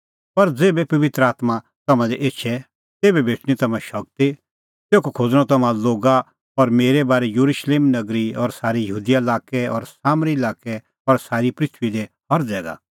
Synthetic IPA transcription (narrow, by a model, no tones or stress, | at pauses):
pɐɾd͡zeːbɛpɐʋɪt̪ɾəaːt̪ma | t̪ɐmãd̪ɛʔeːʃʰɛ | t̪eːbɛbʱeːʈʰɽ̃it̪ɐmãʃɐk̚t̪i | t̪eːkokʰoːd͡zɽ̃ɔ̃t̪ɐmãloːɡa | ɔɾmeːɾebaːɾɛjuɾuʃleːmnɐɡɾiɔːɾsaːɾijɐɦuːd̪ijaɪlaːkɛɔ̰ːɾsaːmɾilaːkɛ | ɔɾsaːɾipɾɪt̪ʰʋid̪e | ɦɐɾd͡zɛːɡa̰ː